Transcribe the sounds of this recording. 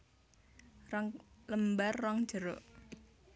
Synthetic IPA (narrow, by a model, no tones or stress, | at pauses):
ləmbarːaŋ̥d͡ʒəɾo̰ʔ